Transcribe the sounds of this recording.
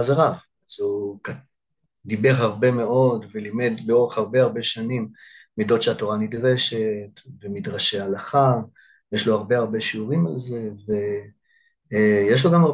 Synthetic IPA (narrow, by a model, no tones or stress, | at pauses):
azaʁav | azuka | dibe̞χhaʁbe̞me̞ʔo̞dvelime̞dleo̞ʁeχhaʁbeaʁbe̞ʃanimː | ido̞tʃeato̞ʁanidʁeʃe̞tvemidʁaʃealaχa | jeʃlo̞haʁbeaʁbe̞ʃiuʁimalze̞ve̞ | jeʃ̬lo̞ɡama